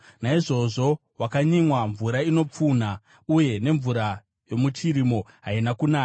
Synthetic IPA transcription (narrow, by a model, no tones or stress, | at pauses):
naiʐo̞ʐo̞ | wakaɲimwaɱvuɾaino̞p͡funa | uje̞ne̞ɱvuɾa | jo̞mut͡ʃiɾimo̞ɦainakunaːa